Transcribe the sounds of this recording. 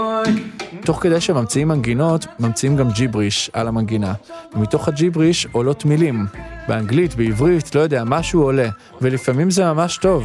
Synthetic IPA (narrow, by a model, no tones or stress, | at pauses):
to̞χkede̞jʃemamt͡siimːanɡino̞tmamt͡siimɡamd͡ʒibʁiʃa̰lamanɡinamito̞χhad͡ʒibʁiʃolo̞tmilimbeaŋɡlitbeivʁitlo̞jo̞d̪eamaʃuole̞ | velifamimzemamaʃto̞v